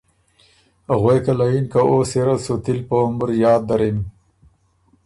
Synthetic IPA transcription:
haɣwejkalajinkaʔoːseɾasot̪ilpəʊməɾjɑːd̪ːaɾim

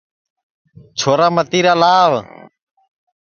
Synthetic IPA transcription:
t͡ʃʰoːɾaːmət̪iːɾəlaːʋ

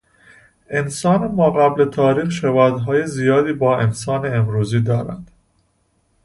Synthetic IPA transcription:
e̞nsɒːnemɒːɣæblet̪ʰɒːɾiːxʃevɒːd̪ɦɒːjezijɒːd̪iːbɒːe̞nsɒːneːmɾuːziːd̪ɒːɾæ̰nd̪̥

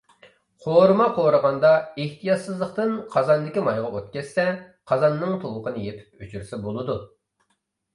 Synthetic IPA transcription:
qʰoɾɨmɑqʰoɾəʁɑnd̪ɑeht̪ʰijɑt̪sɨzlˠəχt̪ɨnqʰɑzɑnd̪ɪkʲimɑjʁɑot̪̚kʲɛsːɛ | qʰɑzɑnːɨŋt̪ʰolˠəqənɨjep̪ʰɪ̥p̚yt͡ʃʰyɾɪsɛbolˠɨd̪u

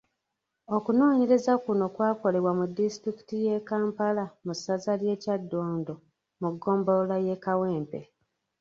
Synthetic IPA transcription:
o̞kuno̞ːɲe̞ɾe̞zakuno̞kwaːko̞le̞βwamudːistɾiki̥tije̞kaːmpalamusazalje̞ːcadːo̞ːndo̞ | muɡːo̞ːmbolaje̞kawe̞ːmpe̞̰

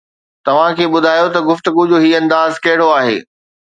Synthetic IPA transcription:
t̪ɐʋ̤ãkʰeːɓʊd̪ʱaːjot̪ɐɡʊft̪ʊɡud͡ʑoɦiːɐ̃nd̪aːzkɐɦɪɽ̤oaːɦḛː

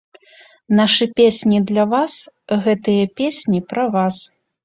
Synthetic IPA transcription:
naʂɨpʲesʲnʲid̪lʲɐvasɣɛt̪ɨjɐpʲesʲnʲipɾɐvas

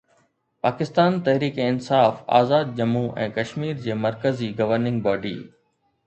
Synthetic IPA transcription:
paːkɪst̪aːnt̪ɐɦɾiːkɪnsaːfa̰ːzaːd̪̚d͡ʑɐmuʔɛ̰̃ːkɐʃmiːɾd͡ʑeːmɐɾkəziɡɐʋəɾnɪ̃ŋɡ̚baːɖḭː

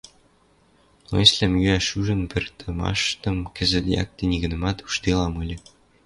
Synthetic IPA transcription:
lˠɤ̰slʲæmjyæʃuʒə̆npɘ̆rt̪ʰə̆mɑ̰ʃt̪ɤ̆mkɘ̆zɘ̆t̪jɑ̰k̚t̪enʲiɣɘ̆nɤ̆mɑt̪u̥ʃt̪elɑmɤ̆lʲɤ̆

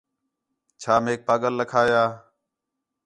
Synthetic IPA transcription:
t͡ʃʰaːmeːk̚paːɠəlːəkʰaːjaː

